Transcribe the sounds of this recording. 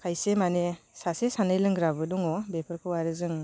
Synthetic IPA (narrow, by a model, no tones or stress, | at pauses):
kʰajsemanesasesanɯjlɯŋɡɾabɯduŋɔbepʰɯɾkʰɯwaɾɯzɯŋ